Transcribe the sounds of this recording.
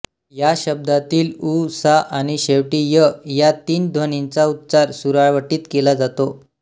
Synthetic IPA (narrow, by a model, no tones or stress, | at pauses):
jaɕəb̚d̪at̪iːlusaʔaɽ̃iɕeʋʈiːjəjat̪iːnd̪ʱʋənint͡saut̪t͡saɾsuɾaɭʋəʈiːt̪kelad͡zat̪o